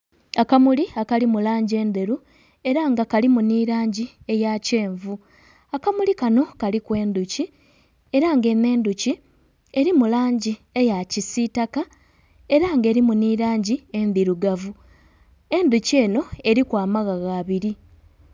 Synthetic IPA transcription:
akamuliakalimulaːɲɟe̞ːnd̪e̞ɾu | e̞ɾaŋɡakalimuniɾaːɲɟie̞jace̞ːɱvu | akamulikano̞kalikwe̞ːnd̪uci | e̞ɾaŋɡe̞ne̞ːnd̪uci | e̞ɾimulaːɲɟiejacisitaka | e̞ɾaŋɡe̞ɾimuniɾaːɲɟie̞nðiɾuɡavu | e̞nd̪ucie̞ːno̞e̞ɾikwaːmaɣaɣaːβiɾi

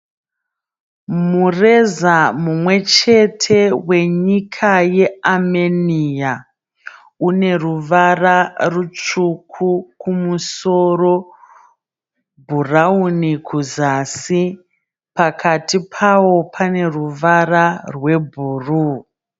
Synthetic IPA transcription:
mure̞zamumwe̞t͡ʃe̞tʰe̞we̞ɲikʰaje̞amenija | une̞ruʋararut͡ʂukʰukumuso̞ro̞ | bʱuraunikʰuzasi | pakʰatipʰawo̞pʰane̞ruʋararwe̞bʱuːru

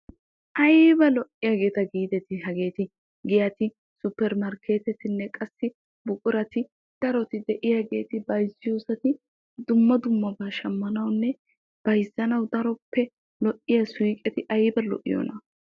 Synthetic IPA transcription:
ʔɐjbɐlɔʔːɪjaːɡe̞ːt̪ɐɡiːd̪ɛt̪ɪɦɐɡe̞ːt̪ɪ | ɡɪjɐt̪ɪ | sʊpːɛɾmɐɾkʰe̞ːt̪ɛt̪ɪnːɛkʼɐsːɪ | bʊkʼʊɾɐt̪ɪ | d̪̥ɐɾɔt̪ɪd̪ɛʔɪjaːɡe̞ːt̪ɪbɐjzɪjuːsɐt̪ɪ | d̪ʊmːɐd̪ʊmːɐbaːʃɐmːɐnɐwnːɛ | b̥ɐjzːɐnɐwd̪ɐɾɔpːɛ | lɔʔːɪjɐswiːkʼɛt̪ɪʔɐjbɐlɔ̰ʔɪjɔ̰nɐ

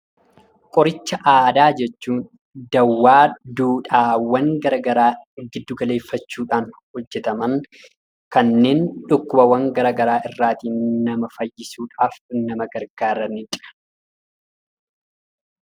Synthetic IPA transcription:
kʼɔɾɪt͡ʃːɐʔaːd̪aːd͡ʒɛt͡ʃːuːn | d̪ɐwːaːd̪uːᶑaːwɐŋɡɐɾɐɡɐɾaːɡɪd̪ːʊɡɐle̞ːfːɐt͡ʃːuːᶑaːnhɔd͡ʒːɛt̪ɐmɐŋ | kɐnːe̞ːnᶑʊkːʊbɐwɐŋɡɐɾɐɡɐɾaːʔɪrːaːt̪iːnɐmɐfɐjːɪsuːᶑaːfnɐmɐɡɐɾɡaːɾɐnɪt͡ʃʼɐ̥ɐ̥

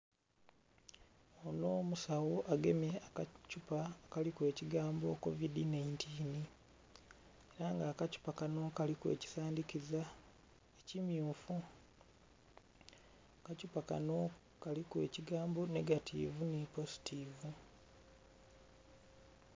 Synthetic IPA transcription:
ono̞ːmusawo̞ʔaɡe̞meakacupakalikweːciɡaːmboko̞̰vidinajintʰiːni | eɾaŋɡaːkacu̥pakano̞kalikwe̞̰ːci̥saːndikiza | ecimjuːfu | kacupaka̰no̞ | kalikwe̞̰ːciɡaːmbo̞ne̞ɡatʰḭvunepo̞zi̥tʰivu

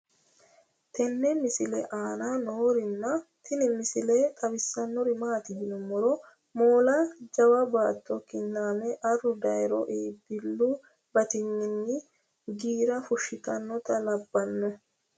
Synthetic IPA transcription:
t̪ɛnːɛmɪsɪlɛ̰ʔaːnaːnoːɾɪnːɐt̪ʰɪnɪmɪsɪleːt̪ʼɐbɪsːɐnːɔɾɪmaːt̪ɪdɪnʊmɔɾɔ | moːlad͡ʒɐwɐbaːt̪ːɔkɪnːaːmɛʔɐrːʊd̪ɐjɾɔ̰ʔeːbɪlːu | bɐt̪ɪnːɪnːɪ | ɡiːɾɐfʊʃːɪt̪ɐnːɔt̪ʼɐlɐbːɐnːɛ

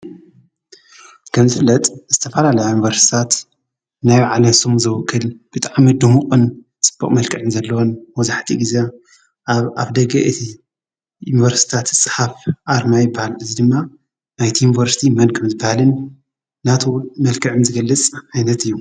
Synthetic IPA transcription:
kʰɐmzɨflɐt̪ʼz̥ɨt̪ʰɐfɐlalɐjojunivɐɾsi̥t̪ʰat̪ | najaʕalɐsumzɐwɔkʰːɨlb̥ɨt̪ʼaʕamid̪umuqʼɨn | t͡sʼɨ̥b̥ːɐ̰kʼmɐlkʰʼɨʕɨnzɐlːɐwonmɐzaħt̪ʰiɡize | a̰βd̪ɐɡɐʔɨt̪ʰi | junivɐɾsi̥t̪ʰat̪sʼɨ̥ħafʔaɾmajɪbːahalʔɨzid̪ɨmːa | najt̪ʰijunivɐɾsi̥t̪ʰimɐnkʰɐmzɨbːahalɨnː | at̪ʰomɐlkʰɨʕɨnzɨɡɐlːɨt͡sʼʕajnɐt̪ɨjːu

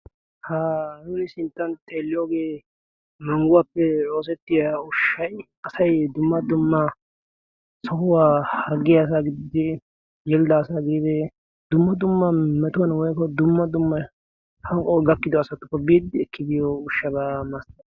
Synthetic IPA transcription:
haːnʊnɪsɪnt̪ːɐnt̪ʰʼeːlːɪjoːɡeː | mɐŋɡʊwapːɛoːs̬ɛt̪ːɪjaʊʃːɐj | ɐsɐjd̪ʊmːɐd̪ʊmːɐ | sɔhʊwaːhɐɡɪjaːs̬aɡɪd̪ɪd̪ɪ | jɛld̪ɐːsaɡɪd̪ɪd̪ɪ | d̪ʊmːɐd̪ʊmːɐmɛt̪ʊwɐnwɔjkɔd̪ʊmːɐd̪ʊmːɐ | hɐŋkʼɔɡɐkːɪd̪ɔːsɐt̪ːʊ̥kːɔbiːd̪ɪɛkːɪd̪ɪjɔʊʃːɐbamɐst̪ɐ

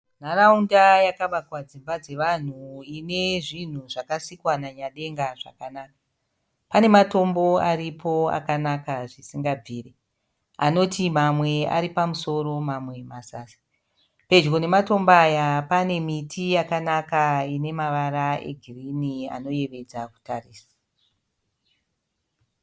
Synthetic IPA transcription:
n̤araundajakaɓakwad͡zimbad͡ze̞ʋan̤uine̞ʐin̤uʐakasikwanaɲaɗe̞ŋɡaʐa̰kanaːkḁ | pane̞mato̞mbo̞aripʰo̞a̰kanakaʐisiŋɡab͡viːre̞ | ano̞timamwe̞a̰ɾipamuso̞ɾo̞mamwe̞masaːsḁ | pe̞d͡ʒɡo̞ne̞mato̞mbajapane̞mitʰijakanakaine̞maʋaɾaḛɡʱirinia̰no̞je̞ʋe̞d͡zaku̥tariːsḁ

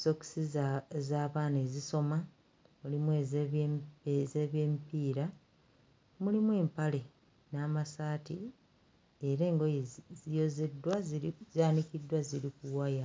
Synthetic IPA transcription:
so̞ksizaːβaːneziso̞ma | mulimwe | ezeːβjeːmpiːɾa | mulimwe̞ːmpale̞ | naːmasaːti | eɾe̞ːŋɡojezijo̞zedːwazaːnikidːwaziɾikuwaja

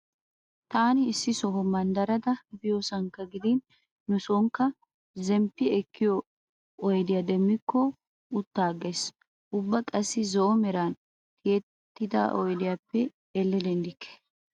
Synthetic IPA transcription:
t̪aːnɪːsːɪsɔɦɔmɐnd̪ɐɾɐd̪ɐbɪjoːsɐŋkːɐɡɪd̪ɪnː | ʊsɔŋkːɐ | zɛmpːɪɛkːɪjɔ | ɔjd̪ɪjad̪ɛmːɪkːɔ | ʊt̪ːaːɡes | ʔʊbːɐkʼɐsːɪzɔʔɔmɛɾaːn | t̪ɪjɛt̪ːɪd̪a̰ʔɔjd̪ɪjapːɛ | ɛlːɛd̪ɛnd̪ɪkːɛ̥

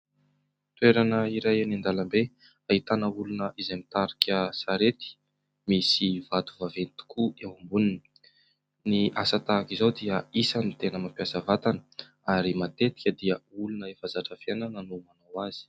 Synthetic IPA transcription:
t̪ueɾanəiɾajanand̪alambe | aɦit̪anəulunəʔizemit̪aɾikʲəsaɾet̪i̥ | misivat̪uvavenit̪u̥kʰuewambunini | niʔasat̪akizawd̪iəisənit̪enəmapiasəvat̪anə̥ | aɾimat̪et̪i̥kʲəd̪iəulunəefazaʈ͡ʂəfiananənumanawaz̥i̥

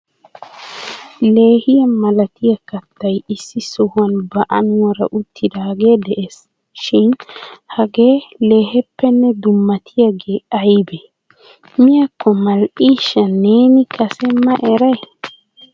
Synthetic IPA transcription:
le̞ːhɪjɐmɐlɐt̪ɪjɐkɐt̪ːɐjɪsːɪsʊhʊɐnbɐʔɐnʊwɐɾɐ̰ʔʊt̪ːɪd̪ɐɡe̞ːd̪ɛʔes | ʃɪnhɐɡe̞ːle̞ːhɛpːɛnːɛd̪ʊmːɐt̪ʰɪjaɡe̞ːɐjbe | mɪjɐkʰːɔmɐlʔiːʃːɐne̞ːnɪkʰɐsɛmɐʔɛɾɐj

